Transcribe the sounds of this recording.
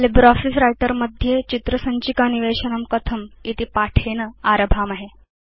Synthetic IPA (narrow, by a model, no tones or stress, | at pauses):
libɾɔfisɾajʈəɾməd̪ʱjet͡ɕit̪ɾəsəɲt͡ɕikaniʋeɕənəmkət̪ʰəmit̪ipaʈʰenəaɾəbʱaːmaɦe